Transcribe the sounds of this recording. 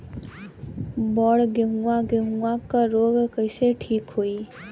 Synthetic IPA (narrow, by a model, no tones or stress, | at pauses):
bɔːɽɡeɦũãɡeɦũãkaɾoːɡkəɪseʈʰiːkɦoːiː